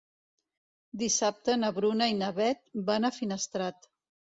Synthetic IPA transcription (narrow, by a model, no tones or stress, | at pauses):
d̪isap̚t̪ənəβɾunəinəβɛt̪̚banəfinəst̪ɾat̪